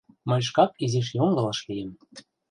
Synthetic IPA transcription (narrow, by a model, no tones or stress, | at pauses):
mɤ̆jʲʃ̬kɑk̚izeʃ̬joŋɡɤ̆lɤ̆ʃlijĕm